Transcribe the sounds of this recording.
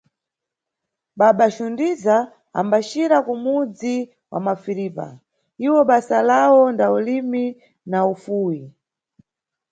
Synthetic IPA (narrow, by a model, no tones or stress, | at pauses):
ɓaɓaʃundiza | a̰mbat͡ʃiɾakumud͡zi | wʔa̰mafiɾiːpa̰ | iwɔɓasalawɔndaulimi | naufuːji